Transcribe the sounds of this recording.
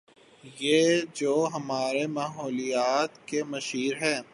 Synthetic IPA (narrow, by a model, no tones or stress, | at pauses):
jed͡ʒoːɦɐmaːɾemaːɦɔːlijaːt̪kemɐʃiːɾɦɛ̃ː